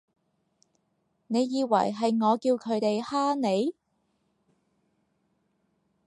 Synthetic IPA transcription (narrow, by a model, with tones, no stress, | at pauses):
ne˨˧jːiː˨˧wɐ̰˨˩jɦɐ˨jŋɔː˨˧kiː˧wkʰɵ˨˧ɥt̪e˨jhaː˥ne˨˧j